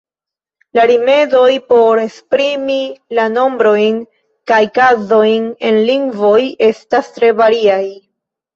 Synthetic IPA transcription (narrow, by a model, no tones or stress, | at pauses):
laɾime̞zo̞jpo̞ɾe̞spɾimilano̞mbɾo̞jn | kajkazo̞jne̞nliŋɡvo̞je̞stastɾe̞vaɾiaj